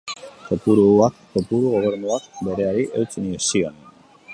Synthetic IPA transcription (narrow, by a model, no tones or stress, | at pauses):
t̪o̞puɾuakt̪o̞puɾuɣo̞β̞e̞ɾnuakbe̞ɾe̞aɾiʔewt͡siniesionen